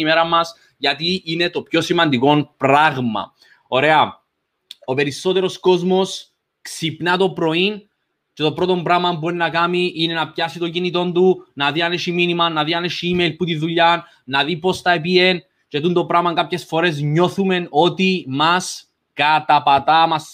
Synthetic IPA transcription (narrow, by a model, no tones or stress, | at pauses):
imeɾɐmɐs | ʝɐt̪iine̞t̪o̞pço̞simɐnd̪iko̞npɾaɣmɐ̰ | o̞ɾe̞ɐ | o̞pe̞ɾiso̞t̪e̞ɾo̞sko̞zmo̞s | ksipnɐt̪o̞pɾo̞in | ce̞t̪o̞pɾo̞t̪o̞mbɾɐɣmɐmb̬uoɾinɐkɐmiʔine̞nɐpçɐsit̪o̞ɲɟinit̪o̞nd̪unɐðiɐneʃiminimɐnɐðiɐneʃiimeilput̪iðuʎɐn | nɐðipo̞st̪ɐepie̞n | cet̪unt̪o̞pɾɐɣmɐŋkapçe̞sfo̞ɾe̞z̬ɲo̞θume̞no̞t̪imɐs | kɐt̪ɐpɐt̪ɐmɐs